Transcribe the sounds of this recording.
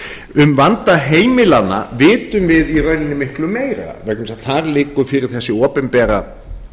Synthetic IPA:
ʏmvant̪aɦeːjmɪlana̰vɪːt̪ʏmvɪðirœɥnɪnːɪmɪhklʏmeːjɾa̰vɛɾk̪ʏmɪsaθaɾlɪːkʏɾ̥fɪːɾɪɾ̥θɛsːɪɔːpɪnpɛːɾa

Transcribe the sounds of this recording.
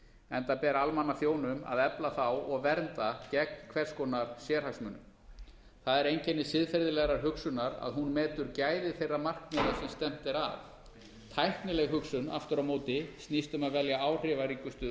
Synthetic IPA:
ɛnt̪apɛːɾaalmanːaθjoːwnʏma̰ðɛplaθawɔɣvɛɾnt̪acɛkkʰv̥ɛr̥skɔnaɾ̥sjɛːɾ̥haksmʏːnːʏ̰ | θaðɛɾejɲcɛnːɪsɪðfɛɾðɪlɛɣɾaɾ̥ɦʏksʏnːaɾa̰ðɦunmɛːt̪ʏɾcaːjðɪθejrːamar̥kmɛɾasɛmst̪ɛm̥t̪ɪɾa̰f | t̪ʰajhknɪlɛɣɦʏksʏna̰ft̪ʏɾamoːwt̪ɪst̪niːst̪ʏmaðvɛljaaːwr̥ɪːvaɾiŋkʏst̪ʏːð

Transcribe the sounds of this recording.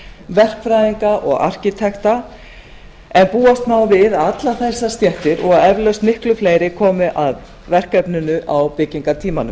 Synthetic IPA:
vɛr̥kfɾajðiŋkaʔɔ̰ɣa̰r̥cit̪ʰɛxt̪a | ɛnpuːast̪naːwvɪðaat̪laθɛsːast̪jɛht̪ɪɾɔɣaðɛvlœst̪mɪhklʏfleːjɾɪkʰɔːmɪʔað | vɛr̥kɛpnʏnʏʔawpɪciŋkat̪ʰiːmanʏm

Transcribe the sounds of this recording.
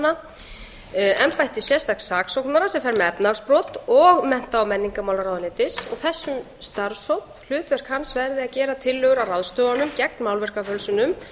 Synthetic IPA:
na | ɛmpajht̪ɪsjɛ̥st̪aksaːksowknaɾasɛmfɛɾmɛɛpnaɣspɾɔːt̪ɔɣmɛn̥t̪aːwmɛnːiŋkamaːwlaɾawðlɪːt̪ɪsɔɣθɛsːʏm | st̪aɾsowp̚l̥ʏːt̪vɛɾ̥kʰansvɛɾðɪacɛːɾat̪ʰɪlːœːɣʏɾawrawðst̪œːwanʏmcɛk̚nmawlvɛr̥kafœlsʏnʏm

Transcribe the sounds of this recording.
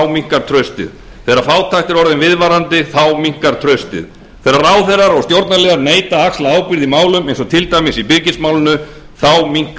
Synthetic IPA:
wmiŋ̥kaɾ̥t̪ʰɾœɥst̪ɪ̰ð | θeːɾafaːwt̪ʰajht̪ɪɾɔɾðɪnvɪðvaɾant̪ɪθawmiŋ̥kaɾ̥t̪ʰɾœɥst̪ɪ̰ð | θejɾaraːwθerːaɾɔɣst̪jowɾt̪naɾlɛːɣaɾneːjt̪aakslaaːwpɪɾðimaːwlʏmejnsɔt̪ʰɪlt̪ajmɪsipɪɾcɪnsmaːwlɪnʏ | θawmiŋ̥k

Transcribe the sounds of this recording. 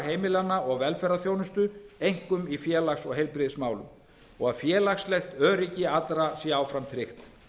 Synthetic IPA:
ɦeːjmɪlanːaɔɣvɛlfɛɾaθjownʏst̪ʏejŋ̥kʏmifjɛːlaxsɔɣɦejlpɾɪðsmaːwlʏ̰m | ɔɣaðfjɛːlaxslɛxt̪œːɾɪcɪat̪ɾasjaːwfɾamt̪ʰɾɪxt̪

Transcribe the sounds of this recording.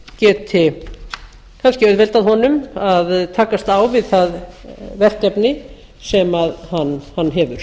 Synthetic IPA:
cɛːt̪ʰɪ | kʰanscɪœɥðvɛlt̪aðɦɔnʏmaðt̪ʰaːkast̪awvɪðθaðvɛr̥cɛpnɪ | sɛmaðhanːhanːɦɛvʏɾ̥

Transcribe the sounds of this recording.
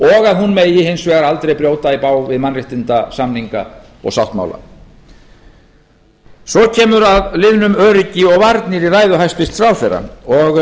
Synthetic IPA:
ɔɣaðhunmejɪhensvɛːɣaɾalt̪ɾejpɾjoːwt̪aipaːwvɪðmanrɪht̪ɪnt̪asamniŋka̰ | ɔ̰ɣsawht̪ma̰wla̰ | sɔcʰɛːmʏɾaðlɪðnʏmœːɾɪcɪɔɣvaɾt̪nɪɾiraːjðʏɦajst̪ɪst̪θɾaːwθɛrːa̰ɔɣ

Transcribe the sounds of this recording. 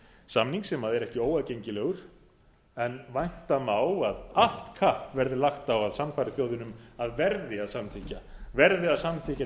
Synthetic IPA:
samniŋksɛmaðɛɾɛhcɪoːwaðcejɲcɪlɛːɣʏɾ̥ | ɛnvajn̥t̪amaːwaðal̥t̪kʰahpvɛɾðɪlaxt̪awaðsamfajɾɪθjowðɪnʏmaðvɛɾðɪaðsamt̪ʰicavɛɾðɪaðsamt̪ʰica

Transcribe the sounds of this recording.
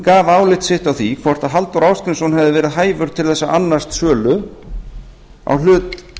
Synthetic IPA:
kaːvaːwlɪht̪sɪht̪awθikʰvɔɾ̥t̪aðɦalt̪ɔwɾaːwskɾɪnsɔnɦɛvðɪvɛːɾɪðɦaːjvʏɾ̥t̪ʰɪlθɛsːaʔanːḁst̪sœːlʏ | a̰wl̥ʏːt̪

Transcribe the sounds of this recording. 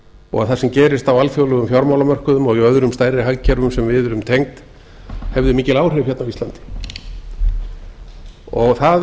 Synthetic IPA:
ɔ̰ɣaθasɛmcɛːɾɪst̪awalfjowlʏɣʏmfjɔɾmawlamœr̥kʏðʏmɔɣiœðɾʏmst̪ajrɪɦaɣcʰːɛɾvʏmsɛmvɪðʏɾʏmt̪ʰejŋt̪ | hɛvðʏmiːcɪlaːwr̥ɪfçɛt̪nawvisant̪ɪ̥ | ɔɣθa

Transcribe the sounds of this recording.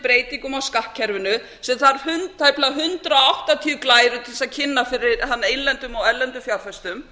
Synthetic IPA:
pɾeːjt̪iŋkʏmawskahcʰɛɾvʏnʏ | sɛmθaɾhʏnt̪ʰːaːjplaɦʏnt̪ɾaawht̪at̪ʰiʏklaːjɾʏt̪ʰɪlsaðcʰɪnːafɪɾɪɾhanːejllɛnt̪ʏmɔɣɛlɛnt̪ʏfjawɾfɛst̪ʏm

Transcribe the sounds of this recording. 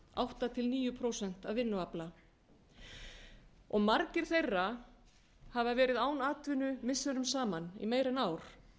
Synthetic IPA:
a̰wht̪at̪ʰɪlniːjʏpʰɾowsɛn̥t̪avvːɪnːʏapla | ɔɣmaɾcɪɾ̥θejrːa | havavɛːɾɪðaːwnaːt̪vɪnʏmɪsːʏnʏmsaːmanḭmeːjɾɪnaːwɾ̥

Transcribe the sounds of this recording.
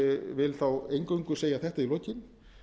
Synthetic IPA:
ɛvɪlθawejŋkœɥŋkʏseːjaθɛht̪ailoːcɪn

